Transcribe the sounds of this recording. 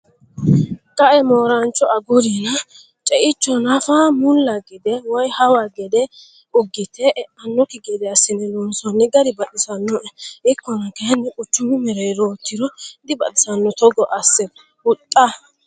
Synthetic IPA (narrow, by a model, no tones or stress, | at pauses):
kʼɐʔɛmoːɾɐnt͡ʃːɔʔɐɡɔɾinɐ | t͡ʃʼɛʔɪt͡ʃːɔnɐfamʊllːɐɡɛd̪ɛwɔjhɐwaɡɛd̪ɛ | ʊɡːɪt̪ɛʔʔɐnːɔkɪɡɛd̪ɛɐsːɪnɛnɔnsɔnːɛɡɐɾɪbɐɗɪsɐnːɔʔɛʔɪkːɔnɐkɛhɛnːɛkʼʊt͡ʃːʊmɪmɛɾɛjɾo̞ːt̪ːɪɾɔd̪ɪbɐɗɪsɐnːɔt̪ɔɡɔʔɐsːɛ | ʊt̪ʼːɐ